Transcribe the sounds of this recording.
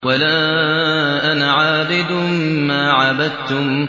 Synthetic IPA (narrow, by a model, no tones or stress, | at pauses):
walaː | ʔanaʕaːbɪd̪ʊmaːʕabad̪̚t̪ʊm